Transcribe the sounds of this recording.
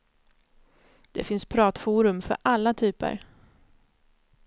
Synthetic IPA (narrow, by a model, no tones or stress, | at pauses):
d̪̥ɛfɪnspʰɾɑːt̪fuːɾɵmfœ̰ɾʔalːat̪ʰyːpə̰ɾ